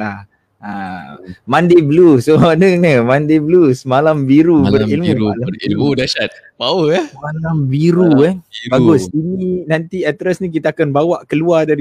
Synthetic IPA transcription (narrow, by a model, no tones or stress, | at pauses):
lah | a | mãndebəlusoanənəmãndeblusəmalambiɾubərilmũilmudaʃat̪̚ | pawəamalambiɾuanbaɡʊsininant̪iat̪ɾasnĩk̬it̪aːkanbawaʔkəluadaɾi